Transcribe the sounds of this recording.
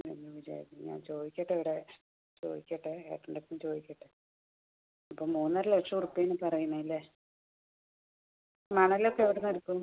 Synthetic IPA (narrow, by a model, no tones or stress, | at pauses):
eɲːuʋid͡ʑa̰ːjik̪ːiɲa̰ːnt͡ɕo̞ːd̪ikʲːeʈːeʋiɽe | t͡ɕo̞̰ːd̪ikʲːeʈːɨḛːʈːuɳɖet̪ːumt͡ɕo̞ːðikʲːeʈːɨ | ɐpːoːmuːnːɐɾɐlekʂɐurupːejenːɨpɐrɐjuɳɐilːe | mɐɳɐlokːeeʋiɽenɐɾukːu